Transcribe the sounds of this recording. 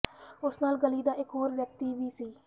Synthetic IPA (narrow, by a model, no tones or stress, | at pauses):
ʊsnaːlɡəliːd̪aːʔɪkɦoːɾʋjək̚t̪iːʋiːsiː